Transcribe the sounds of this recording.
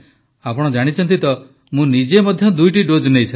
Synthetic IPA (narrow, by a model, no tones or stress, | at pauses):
apɔɽ̃ɔd͡ʒaɽ̃it͡ʃʰɔnt̪it̪ɔ | mũnid͡ʒemɔd̪ʱjɔd̪ujʈiɖod͡ʒnejsʰa